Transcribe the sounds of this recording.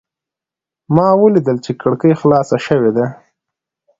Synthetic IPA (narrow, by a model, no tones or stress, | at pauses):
mɑwəlid̪əlt͡ʃekəɽkəjxlɑsaʃəwed̪a